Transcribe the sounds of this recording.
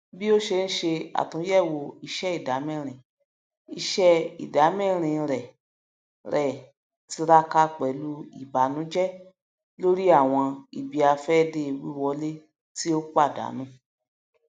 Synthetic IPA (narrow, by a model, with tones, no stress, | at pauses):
bi˦o˦ʃe˧ñ̩˦ʃe˧a̰˨tũ˨˦jɛ˦˨wo˧i˧ʃɛ˦i˦˨da˨˦mɛ̃˦˨ɾ̃ĩ˨ | i˧ʃɛ˦ḭ˨da˨˦mɛ̃˦˨ɾ̃ĩ˨˧˨ɾɛ˨ | ɾɛ˨ | ti˧ɾa˦ka˧k͡pɛ˨˦lu˦ḭ˨ba˨˦nũ˨˦d͡ʒɛ˦ | lo˦ɾi˦a˦˨w̃ɔ̃˧i˨bi˨a˧fɛ˦de˧˦˧wi˦wɔ˧le˦ | ti˦o˦k͡pa˦˨da̰˨˦nũ˦